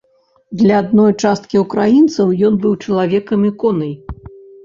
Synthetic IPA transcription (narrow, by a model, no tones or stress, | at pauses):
d̪lʲɐːd̪nɔjt͡ʂast̪̚kʲiukɾajint̪sɐwjɔnbɨwt͡ʂɐlˠavʲɛkɐmikɔnɐj